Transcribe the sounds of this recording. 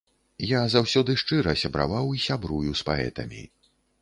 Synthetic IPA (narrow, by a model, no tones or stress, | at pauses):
jazawsʲɔd̪ɨʂt͡ʂɨɾɐsʲɐbɾa̰vawisʲabɾujuspaɛ̰t̪ɐ̰mʲḭ